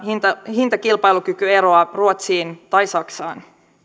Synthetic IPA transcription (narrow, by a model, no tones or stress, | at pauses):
hint̪ɑɦint̪ɑkilpɑjluk̟ykye̞ɾo̞ɑruot̪siːnt̪ɑjsɑksɑ̰ːn